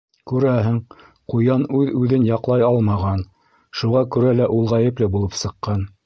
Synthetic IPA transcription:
kʉɾæɦɘŋ | qujɑnʉðʉðɘnjɑqlˠɑjɑlˠmɑʁɑn | ʃuʁɑkʉɾælæʔulˠʁɑjɘplɘbulˠɤpsɤ̆qːɑn

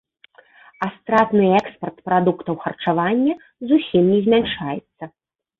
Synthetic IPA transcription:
ast̪ɾat̪nɨɛkspɐrt̪pɾad̪ukt̪ɐwxɐrt͡ʂavanʲːɐ | zusʲimnʲɛzʲmʲanʂajɛ̰t̪sːɐ

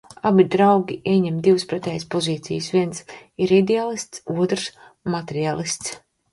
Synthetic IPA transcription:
abid̪ɾawɡʲiʔiɛɲɛmd̪iwspɾɛt̪ʲɛːjspɔziːt̪sḭjsvʲiɛnsiɾid̪ealˠist̪suɔt̪ɾs | mat̪eɾialˠist̪s

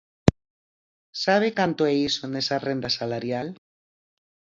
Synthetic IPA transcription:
saβ̞ekant̪oeisonesarend̪asalaɾjal

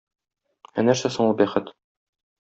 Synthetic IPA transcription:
ænæɾsæsɤɴubæχɘt̪

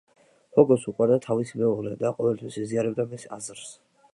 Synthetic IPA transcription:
hɔɡɔsuqʼwaɾd̪at̪ʰavismɛɔɾɛd̪aqʼɔvɛlt̪ʰwisiziaɾɛbd̪amisazɾs

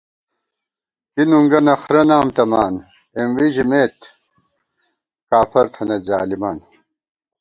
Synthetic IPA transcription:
kinuŋɡɐnɐxɾɐnaːmt̪ɐmaːn | emwiʑimeːt̪ | kaːfɐɾt̪ʰɐnɐza̰ːlimaːn

